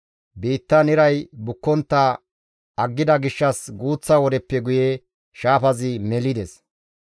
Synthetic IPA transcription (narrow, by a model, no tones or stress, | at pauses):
biːt̪ːɐnɪɾɐjbʊkːɔnt̪ːɐ | ɐɡːɪd̪ɐɡɪʃːɐsɡuːt͡sːɐwɔd̪ɛpːɛɡʊje | ʃaːfɐzɪmɛlɪd̪ɛs